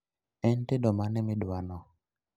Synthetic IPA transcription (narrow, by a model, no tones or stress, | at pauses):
ɛntedɔmanɛmɪɗwanɔ